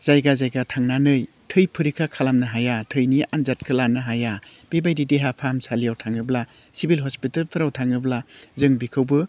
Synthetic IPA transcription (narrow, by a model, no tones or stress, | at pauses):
z̥ajɡazajɡatʰaŋnanɯj | tʰɯjpʰɯɾikʰakʰalamnɯɦajatʰɯjnianzat̚kʰɯlanɯɦaja | b̥ebajdideɦapʰamsʰalijawtʰaŋɯbla | sibilɦɔspitalpʰɯɾawtʰaŋɯblazɯŋbikʰɯwbɯ